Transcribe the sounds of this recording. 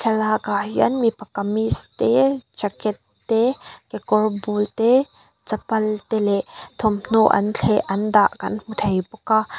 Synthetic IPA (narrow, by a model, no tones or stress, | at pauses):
ɬʰɛlakahiənmipɐkamist̪et͡ʃɐkɛt̪ːɛkɛkɔrbult̪ɛ | t͡sɐpɐlt̪ɛlɛʔt̪ʰɔmn̥oʔɐ̰nt͡ɬʰɛʔʔɐndaʔkɐnm̥ut̪ʰɐjpuka